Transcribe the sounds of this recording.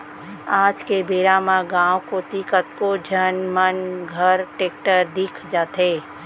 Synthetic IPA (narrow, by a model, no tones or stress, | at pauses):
aːd͡ʒkebeːɾamãɡãːwkot̪ikət̪kod͡ʒʱənmənɡʱəɾʈeːk̚ʈəɾd̪ɪkʰd͡ʒaːt̪eː